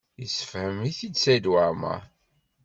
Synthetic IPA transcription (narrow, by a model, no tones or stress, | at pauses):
jəsːə̥fhəmiθid̪sæd̪waɾmæ̰